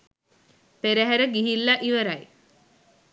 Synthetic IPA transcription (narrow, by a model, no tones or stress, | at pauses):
peɾəɦæɾəɡiɦilːaʔiʋəɾaj